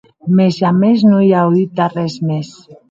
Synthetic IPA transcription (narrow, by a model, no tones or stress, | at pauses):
mesameznojawðit̪arezmes